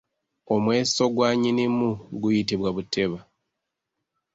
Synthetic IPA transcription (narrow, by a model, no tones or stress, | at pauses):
o̞mwe̞ːso̞ɡwaːɲinimuɡujitiβwaβutʰe̞βa